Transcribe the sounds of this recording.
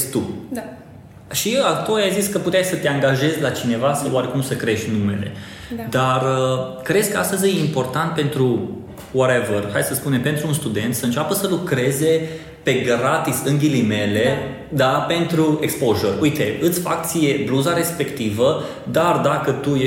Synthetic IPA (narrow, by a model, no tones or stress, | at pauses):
t̪u | ʃiat̪uojajziskəput̪eajsət̪eaŋɡaʒe̞zʲlat͡ʃine̞vasəwwaɾe̞kumsəkɾe̞ʃt̪ʲnume̞̰le̞̰ | d̪arəkɾe̞d̪skəast̪əzʲejeimpo̞rt̪ant̪̚pe̞nt̪ɾu | woɾevərhajd̪səspune̞mpe̞nt̪ɾuːnst̪ud̪e̞nt̪səɨnt͡ʃapəsəlukɾe̞ze̞ | pe̞ɡɾat̪isɨŋɡʲilime̞le̞ | d̪ape̞nt̪ɾuekspoʒoruit̪e̞ɨt̪sʲfak̚t̪sije̞bluzaɾe̞spe̞kt̪ivə | d̪ard̪akət̪uje